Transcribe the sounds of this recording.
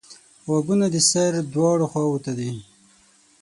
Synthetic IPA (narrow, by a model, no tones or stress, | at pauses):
waɡunad̪isaɾd̪wɑɽoxwawut̪ad̪i